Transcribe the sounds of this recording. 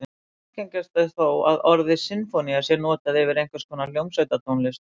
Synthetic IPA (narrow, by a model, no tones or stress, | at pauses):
ceɲcast̪aðθowaðɔɾðɪsɪnfɔniasjɛnɔːt̪aðɛvɪɾejŋkvaskʰɔːnaljowmsaɥt̪at̪ʰownlɪst̪